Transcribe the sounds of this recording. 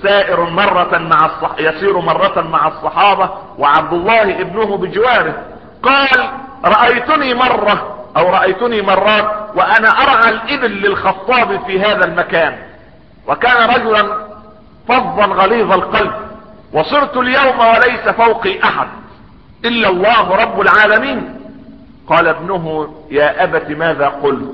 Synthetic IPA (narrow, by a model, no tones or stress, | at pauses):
saːʔɪɾmɑrˤːɑmaʕɑsˤːɑjɑsˤiːɾmɑrˤːɑmaʕɑsˤːɑħɑːbɑwɪʕab̚d̪ʊlˤːɑːhʔɪbnʊhʊbɪd͡ʒɪwaːɾɪh | qɑːlɾˤɑʔajt̪ʊniːmɑrˤːɑʔawɾˤɑʔajt̪ʊniːmɑrˤːɑːt̪̚waʔanaʔɑɾˤʕalʔɪbɪlːɪlxɑt̪ˤːɑːbfiːɦaːðalmakaːn | wakaːnaɾˤɑd͡ʒʊlan | fɑðˤːɑnɣɑliːðˤɑlqɑlb̚ | wɑsˤɨɾt̪ʊljawmawalajsafawqiːʔaħa̰d̪̚ | ʔɪlːalˤːɑːhɾˤɑbːʊlʕaːlamiːn | qɑːlabnʊɦʊjaːʔabat̪imaːðaːqʊlt̪